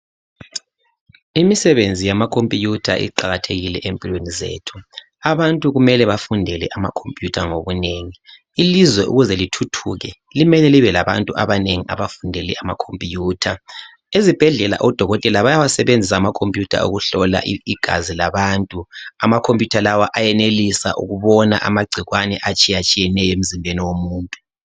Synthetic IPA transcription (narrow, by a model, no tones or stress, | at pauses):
imisɛβend͡zʱijamakʰompʼijutʰa̰ʔḭǃaɣatʰeɣilɛ̰ʔempʼilwenizḛːtʰu̥ | aβantʼuɣumɛlɛβafundʱɛlɛ̰ʔama̰kʰompʼjutʰaŋoβuneŋi | ilizwɛʔṵɣuzɛlitʰutʰuɣɛ | limɛlɛliβɛlaβa̰ntʼuʔaβaneŋiʔa̰βafundʱɛlɛ̰ʔama̰kʰompʼijuːtʰa | ezib̥ʱɛɮɛla̰ʔɔd̥ʱɔɣɔtʼɛlaβajawasɛβend͡zʱis̬aːmakʰompʼjutʰa̰ṵɣuɬɔla̰ʔiɡ̥ʱa̰zilaβantʼuamakʰompʼjutʰalawaʔajɛnelisa̰ʔṵɣuβɔna̰ʔamaɡ͡ǀʱiɣwanɛʔat͡ʃʼijat͡ʃʼijɛnɛjɔem̩zimbʱeniwomuːntʼu̥